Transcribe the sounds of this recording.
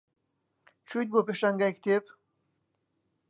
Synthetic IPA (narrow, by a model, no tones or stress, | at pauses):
t͡ʃut̪̚bopeʃaŋɡakt̪ep